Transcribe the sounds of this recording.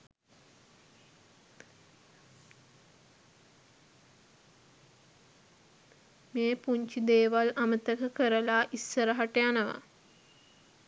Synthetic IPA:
meːpuɲt͡ʃid̪eːʋalamət̪əkəkəɾəlaʔisːəɾəɦaʈəjanəʋa̰

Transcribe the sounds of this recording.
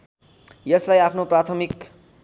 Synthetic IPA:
jʌslajapʰnoprat̪ʰʌmik

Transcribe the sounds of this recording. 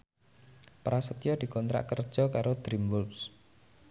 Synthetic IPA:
paɾasət̪ijɔd̪̥i̤kɔnt̪ɾa̰ʔkərd̥ʒ̥ɔ̤kaɾod̪̥ɾimbulps

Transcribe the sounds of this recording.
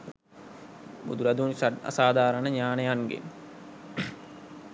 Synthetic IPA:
bṵd̪uɾad̪uːnsaa̰saːd̪ʱaːɾənəɲaːnəjaŋɡḛn

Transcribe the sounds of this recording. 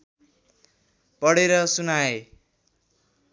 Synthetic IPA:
pʌɽeɾʌsunae

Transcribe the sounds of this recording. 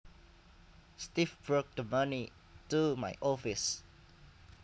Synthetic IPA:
stifb̥ɹok̚dəmani | tumaɪʔɔfis

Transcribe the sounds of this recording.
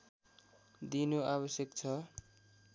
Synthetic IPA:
d̪inoaβʌsjʌkt͡sʰʌ

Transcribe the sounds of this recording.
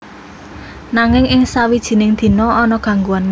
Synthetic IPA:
naŋɪŋɪŋsawid̥ʒ̥i̤nɪŋd̪̥i̤nɔɔnɔɡ̥a̤ŋɡuan

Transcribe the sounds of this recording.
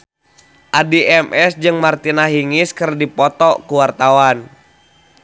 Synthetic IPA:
ʔadiɛmʔɛsd͡ʒɨŋmart̪inaɦiŋiskɨrdipɔt̪ɔkuwart̪awan

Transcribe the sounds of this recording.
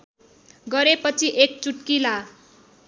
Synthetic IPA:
ɡʌɾepʌt͡sʰiʔek̚t͡suʈkila

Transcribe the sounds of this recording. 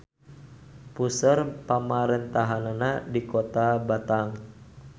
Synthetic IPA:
pusərpamaɾɛnt̪aɦananadikot̪abat̪aŋ

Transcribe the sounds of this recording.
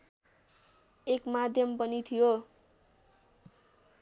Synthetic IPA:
ekmad̪ʱjʌmpʌnit̪ʰijo

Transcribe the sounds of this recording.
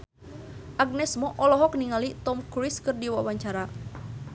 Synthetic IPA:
ʔaɡ̚nɛsmɔʔɔlɔɦɔkniŋalit̪ɔmkuɾiskɨrdiwawaɲt͡ʃaɾa

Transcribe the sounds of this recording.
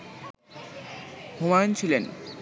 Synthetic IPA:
homant͡ɕʰilen

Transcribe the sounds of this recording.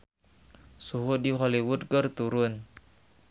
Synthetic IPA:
suɦʊdiɦoliwʊd̪̚kərt̪uɾʊn

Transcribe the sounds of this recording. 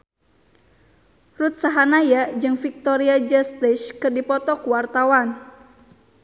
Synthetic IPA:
rut̪̚saɦanajad͡ʒɨŋfik̚t̪ɔɾiad͡ʒəst̪ɛʃkɨrdipɔt̪ɔkuwart̪awan

